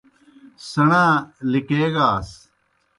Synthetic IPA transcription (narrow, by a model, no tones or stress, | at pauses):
sɐɳãːlɪkeːɡaːs